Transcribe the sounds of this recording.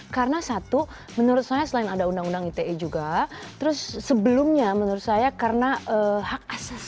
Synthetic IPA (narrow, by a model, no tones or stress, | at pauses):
kaɾənasat̪u | mənuɾʊt̪̚sajasəlaɪnadaundaŋundaŋit̪eʔɛd͡ʒuɡat̪əɾʊsːəbəlʊmɲamənuɾʊt̪̚sajakarənaəhak̚asas